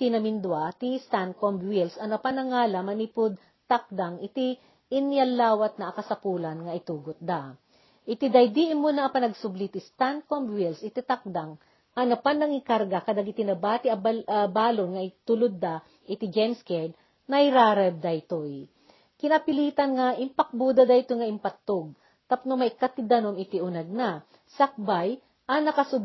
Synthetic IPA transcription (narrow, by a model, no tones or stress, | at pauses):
t̪ɪnɐmɪnd̪wat̪ist̪an̚kombwilsɐnɐpanɐŋaːlɐmɐnipʊd̪̚ | t̪ak̚d̪aŋɪt̪i | ɪnjɐlːaːwɐt̪̚nɐʔːkɐsɐpuːlɐnŋɐʔɪt̪uːɡot̪̚d̪a | ʔɪt̪id̪ɐjd̪iʔɪmunɐʔːpɐnɐɡsʊblit̪ɪst̪an̚kombwilsɪt̪it̪ak̚d̪aŋ | ʔɐnɐpanːɐŋɪkaɾɡakɐd̪aɡɪt̪inɐbaːt̪ɪʔɐbaːlonŋɐɪt̪ʊlʊd̪̚ːa | ʔɪt̪ɪd͡ʒɛmskɛd̪ | nɐjɾaːɾɛb̚d̪ajt̪oj | kɪnɐpɪliːt̪ɐnŋaʔɪmpɐk̚bud̪ɐd̪ajt̪ojŋɐʔɪmpɐt̪ːoɡ̚ | t̪ɐpnʊmɐʔɪkat̪ːɪd̪ɐnomɪt̪ɪʔʊnɐɡ̚na | sak̚baj | ʔɐnɐkɐsʊ